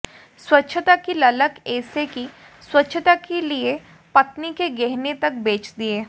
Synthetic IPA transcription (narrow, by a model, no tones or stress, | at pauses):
swɐtːʃʰət̪akilɐləkɛːseki | swɐtːʃʰət̪akelie | pɐt̪nikeɡɛɦnet̪ɐk̚beːt͡ʃd̪ieː